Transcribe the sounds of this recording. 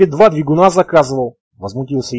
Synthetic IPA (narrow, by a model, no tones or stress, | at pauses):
ɛd̪vad̪vʲiɡʊnazɐkazɨvəlˠ | vəzmʊt̪ʲilˠsʲə